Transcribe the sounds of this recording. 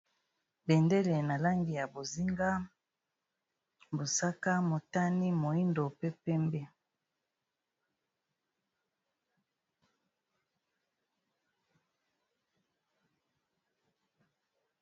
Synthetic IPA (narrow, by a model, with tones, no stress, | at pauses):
bɛ˨nde˦le˨na˨la˦ŋɡi˨ja˨bo˨zi˦ŋɡa˦ | bo˨sa˦ka˦mo˨ta˦ni˦mo˨i˦ndo˨pe˦pɛ˦mbɛ˦